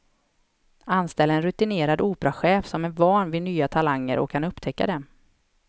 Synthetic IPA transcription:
anst̪ɛlːəɛnɾɵt̪ɪneːɾad̪uːpɾaɧɛːfsɔmæɾvɑːɳvɪnyːat̪ʰalaŋːə̰ɾʔɔ̰kʰːanɵpːt̪ʰɛkːa̰d̪ɛm

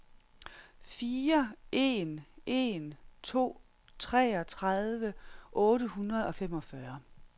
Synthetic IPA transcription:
fiːɐʔe̝nʔe̝̰nt͡sʰo̝̰ː | t͡sʰʁɛɒt͡sʰʁaðˠʋəʔɔ̽ːɾəhunʁɐð̞̩ˠɒ̽fem̰ɒ̽fɶɐ

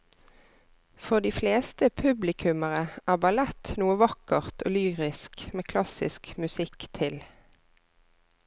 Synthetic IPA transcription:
fɔʁd̪iːfleːst̪əpʰʉblɪkʰʉməʁəʔæːbɑlɛt̪nuːəʋɑkəʁt̪ʰo̰ːlyːʁɪskmeːkʰlɑsɪskmʉsɪkt̪ʰɪl

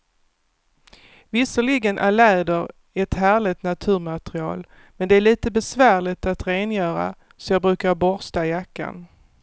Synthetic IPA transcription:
vɪsəɭɪɡənʔæ̰ɾɭɛːd̪əɾ | ɛt̪hæːɭɪt̪nat̪ʰʉ̟ːɾmat̪ɾɪɑ̰ːl | mɛnd̪ɛæɭiːt̪əbɛsvæːɭɪt̪at̪ɾeːnjœːɾa̰ | sɔjɑːbɾʉ̟ːkaɾbɔɾst̪ajakːa̰n

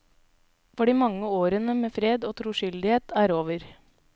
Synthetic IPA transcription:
fɔɖiːmɑŋːəoːɾənəmeːfɾeːd̪oːt̪ʰɾuːʃʏld̪ɪheːt̪ʰæːɾoːʋəɾ

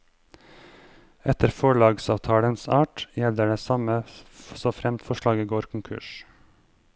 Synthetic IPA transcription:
ɛt̪əɾfɔɭɑːɡsɑːʋt̪ʰɑːɽənsɑːʈjɛləɖeːsɑməsoːfɾɛmt̪fɔʃɭɑːɡiːɡoːɾkʰʊŋkʰʉ̰ʃ

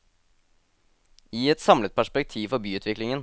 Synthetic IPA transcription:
iːɛt̪sɑmlət̪̚pʰæʂpɛk̚t̪ʰiːʋfɔɾbyːʉːt̪ʰʋɪklɪŋən

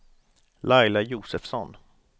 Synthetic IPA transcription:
lajlajuːsɛfsɔn

